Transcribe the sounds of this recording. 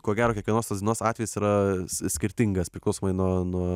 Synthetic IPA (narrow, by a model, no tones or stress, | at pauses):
kuɔɡʲæːɾoːkʲɛkʋʲɛnoːst̪ɐsd̪ʲɪɛnoɔːsɑːt̪ʲʋʲɛjɪsiɾɐssʲkʲɪɾʲt̪ʲɪŋɡɐspʲɾʲɪklˠɐʊsoːmɐɪnuɔnuɔ